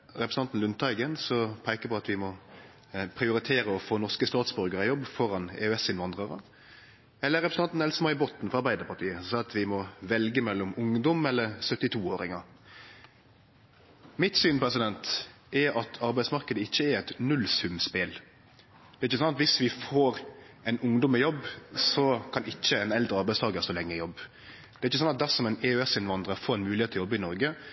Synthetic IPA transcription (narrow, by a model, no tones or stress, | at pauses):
ɾɛpɾəsnɑnt̪n̩lʉnt̪ɑɪɡənsɔpʰæɪkəpʰɔɑt̪ʋɪmɔ | pʰɾɪʊɾɪt̪ʰeːɾəɔfoːnɔʁskəst̪ɑːt̪sbœɾɡəɾəjɔbːfɔɾɑnɛ̰ʉɛsɪnʋɑnd̪ʁəʁə̰ | ɛlːəɾɛpɾsn̩ɑnt̪n̩ɛlsəmɑɪboːt̪n̩fɔɾɑɾbæɪd̪əpɑʈ̪ʰiːəsɑːɑt̪ʋɪmɔʋɛlɡəmɛlːɔmʊŋd̪ɔmɛlːəɾsœt̪ːɪt̪ʰuːoːɾɪŋɑ | mɪt̪syːnpʰɔʁɛsɪd̪ɛnt̪ | ʔɛɑt̪ʰɑɾbæɪsmɑɾkəd̪əɪçːəæɾɛt̪nʉlsʉmspɪl | d̪ɛːɾɪçːəsɑnɑt̪ʋɪsʋɪfoːɾ | ɛnʊŋd̪ɔmːɛjɔbːsɔkʰɑnɪçːəɛnɛld̪ɾəɑɾbæɪst̪ʰɑːɡəɾsɔːlɛŋːəjɔbː | d̪̥ɛæɾɪçːəsɑnɑt̪̚d̪æsɔmɛɪneøɛsɪnʋɑnd̪ɾəfoːɾɛnmʉːlɪeːt̪ʰljɔbːəɪnɔɾɡə